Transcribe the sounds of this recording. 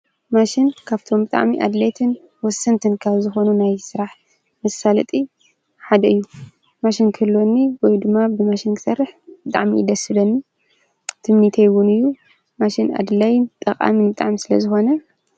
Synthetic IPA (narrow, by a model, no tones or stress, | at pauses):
maʃinkʰaβt̪ʰo̞mbɨt̪ʼa̰ʕmiʔa̰d̪lajt̪ʰɨn | wɔsːɐnt̪ʰɨnkʰaβzɨxo̞nunajsɨɾaħ | mɐsalɐt̪ʼi | ħad̪ɐɨjːu | maʃinkʰɨɨlːo̞nːiwɔjd̪ɨmːabɨmaʃinkʰɨ̥sɐrːɨħbɨt̪ʼa̰ʕmḭd̪ɐsɨlɐnːi | t̪ʰɨmnit̪ʰɐjwʊnɨjːu | maʃina̰d̪lajɪnt̪ʼɐkʼa̰mɨnbɨt̪ʼa̰ʕmisɨlɐ̰zɨxo̞nɐ